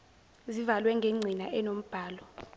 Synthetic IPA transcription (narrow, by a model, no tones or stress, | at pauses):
zivalwɛŋɡʱeŋ͡ǀʱinaʔɛnom̩b̥ʱaːlɔ